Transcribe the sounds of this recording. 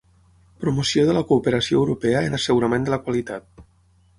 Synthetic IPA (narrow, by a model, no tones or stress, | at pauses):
pɾumusioðələkuːpəɾasio̰əwɾupeəenəsəɣuɾamẽnd̪ələkwalit̪at̪̚